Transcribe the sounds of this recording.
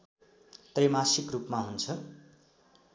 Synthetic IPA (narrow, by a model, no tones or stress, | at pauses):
t̪remasikrupmaɦunt͡sʰʌ